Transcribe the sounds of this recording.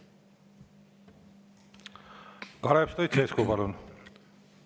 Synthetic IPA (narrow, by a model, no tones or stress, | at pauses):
kɑɾepst̪ojt̪sʰeːskuːpɑlun